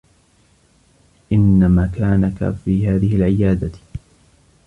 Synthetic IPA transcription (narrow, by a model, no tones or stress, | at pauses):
ʔɪnːamaːkaːnaka̰fiːɦaːðɪhɪlʕɪjaːd̪a